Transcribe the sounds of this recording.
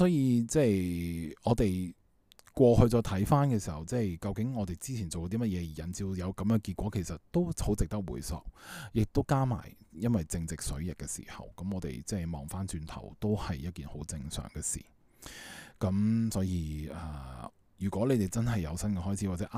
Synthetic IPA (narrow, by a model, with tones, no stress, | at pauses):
sɔː˨˥jiː˨˧t͡sɛː˥˩jɔː˨˧t̪e˨j | kʷɔː˧hɵ˧t͡sɔː˧jt̪ʰɐ˨˥jfaː˥nkɛː˧siː˨˩hɐ˨˩wt͡sɛː˥˩jkɐ˧wkɪ˨˥ŋɔː˨˧t̪e˨jt͡siː˥t͡sʰiː˨˩nt͡so˨wt̪iː˥mɐ˥t̚jɛː˨˧ji˨˩jɐ˨nt͡siː˧wjɐ˨˧wkɐ˨˥mjœː˨˧ŋki˧kʷɔː˨˥kʰe˨˩jsɐ˨t̚t̪o˥who˨˥wt͡sɪ˨k̚t̪ɐ˥k̚wṵː˨˩jsɔ̰ː˨k̚jɪ˨k̚t̪o˥wkaː˥ma̰ː˨˩jjɐ˥nwɐ˨˩jt͡sɪ˧ŋt͡sɪ˨k̚sɵ̰˨˥ɥjɪ˨˩kːɛ˧sḭː˨˩hɐ̰˨˩wkɐ˨˦mɔː˨˧t̪ḛ˨jt͡sɛː˥˩jmɔ̰ː˨˩ŋfaː˥nt͡ʃyː˧nt̪ʰɐ̰˨˩wt̪o˥whɐ˨jːɐ˥t̚kiː˨nho̰˨˥wt͡sɪ˧ŋsœ̰ː˨˩ŋkɛː˧sḭː˨˩ | kɐ˨˥msɔː˨˥jiː˧ɛː˨ | jyː˨˩kʷɔː˨˥le˨˧jt̪e˨˩jt͡sɐ˥nɦɐ˨jːɐ˨˧wsɐ˥nkɛː˧ɦɔː˥jt͡sʰi˨˦waː˨˩t͡sɛ˨˧˥ʔ